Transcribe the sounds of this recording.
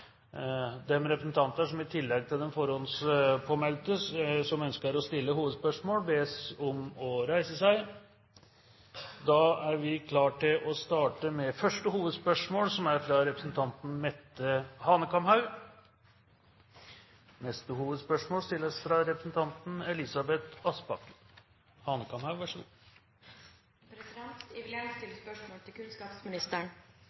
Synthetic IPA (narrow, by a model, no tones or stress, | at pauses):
d̪ɛmɾɛpɾəsn̩t̪ʰɑnt̪əʂɔmɪt̪ʰɪlːɛɡ̚t̪ʰɪld̪ɛnfɔɾɔnspʰoːmɛlt̪əsɔmœnskəɾɔst̪ɪlːəɦuːʋəd̪spœʂmoːlbeːsɔmɔɾæɪsəsæɪ | d̪ɑæɾʋɪkʰlɑːʈʰɪlʔɔst̪ɑːʈəmɛfœʂʈəhuːʋəd̪spœʂmoːlsɔmæɾfɾɑɾɛpɾəsn̩t̪ʰɑnt̪n̩mɛt̪ːəhɑnəkɑmhɑʉ | nɛst̪əhuːʋəd̪spœʂmoːlst̪ɪlːsfɾɑɾɛpɾəsn̩t̪ʰɑnt̪n̩ɛlɪsɑbɛt̪ɑspɑk | hɑːnəkʰɑmhɑʉʋæʂə | pʰɾɛsɪd̪ɛnt̪ɪʋɪlɪɛnt̪ɪlspœʂmoːlt̪ʰɪlkʰʉnskɑːpsmɪnɪst̪əɳ